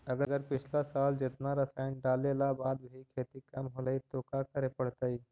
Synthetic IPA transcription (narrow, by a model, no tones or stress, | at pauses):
ɐɡəɡəɾpɪt͡ʃʰlasaːld͡ʒɪt̪naɾɐsaːɪnɖaːlelabaːd̪bʱikʰeːt̪ikɐmɦoləit̪okakɐɾepɐɽt̪aiː